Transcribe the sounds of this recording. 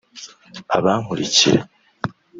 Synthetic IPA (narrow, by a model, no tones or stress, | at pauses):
aβaːmuɾicḭɾe